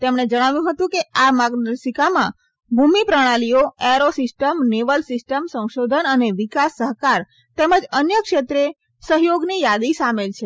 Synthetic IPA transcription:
t̪emɳ̃ed͡ʒəɽ̃aʋjũɦət̪ũkeamaɡd̪əɾsikamã | bʱumipɾəɽ̃alioeɾosɪsʈəmneʋəlsɪsʈəmsə̃w̃ʃod̪ʱənəneʋikasːəɦkaɾ | t̪eməd͡ʒənjəkʃet̪ɾe | səɦjoɡnijad̪isamelt͡ʃʰe

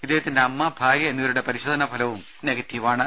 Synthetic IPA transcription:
id̪ːeɦɐt̪ːindeɐmːɐbʱaːɾjɐenːiʋɐɾuɽe̞pɐɾiɕoːd̪ʱɐnɐbʱɐlɐʋum | neɡɐt̪ːjɐʋaːɳɨ

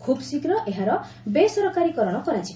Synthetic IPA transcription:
kʰubsikɾɔʔeɦaɾɔ | besɔɾɔkaɾikɔɾɔɽ̃ɔkɔɾat͡ʃʰi̥

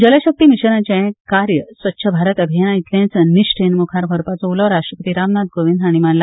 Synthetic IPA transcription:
d͡ʑələɕək̚t̪iːmiɕəɾãt͡ɕẽkaɾjəsʋət̪ːɕʰəbʱaɾət̪əbʱijanait̪lẽt͡sniɕʈʰenmukʰaɾbʱəɾpat͡souləʋɾaʂʈɾəpət̪iɾamnad̪ɡoʋind̪ʱaɽ̃imanla

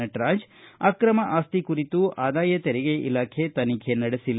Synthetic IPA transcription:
ɐʈɾaːɲd͡ʒakɾɐmɐʔaːst̪ikuɾit̪uʔaːd̪aːjɐt̪ɛɾɛɡeʔḭlaːkʰe̞t̪ɐnikʰenɐɽesilː

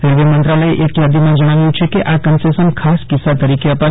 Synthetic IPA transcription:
ɾelʋimənt̪ɾaləeʔekjad̪imãd͡ʒəɽ̃aʋjũt͡ʃʰekeʔakənsesənkʰaskɪsːat̪əɾikeəpa

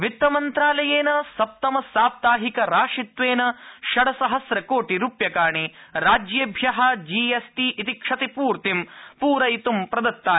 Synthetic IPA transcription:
ʋit̪ːɐmɐnt̪ɾaːlɐjeːnɐsɐp̚t̪ɐmɐsaːp̚t̪aːɦikɐɾaːʂit̪ʋeːnɐʃɐɽɐsɐɦɐsɾɐkoːʈiɾupjɐkaːɳiɾaːd͡ʒjeːbʱjɐɦɐd͡ʒiːesʈiːʔːt̪ikʂɐt̪ipuːɾt̪impuːɾɐjt̪umpɾɐd̪ɐt̪ːaː

